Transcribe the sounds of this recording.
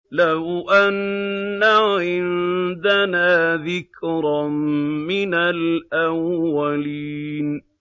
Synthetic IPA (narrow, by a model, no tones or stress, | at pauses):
lawʔanːaʕɪnd̪anaːðɪkɾɑmmɪnalʔawːaliːn